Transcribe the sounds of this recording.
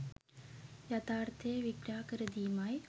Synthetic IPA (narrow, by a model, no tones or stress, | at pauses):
jɐt̪aːɾt̪eːʋiɡɾaːkɐɾɐd̪iːmaːj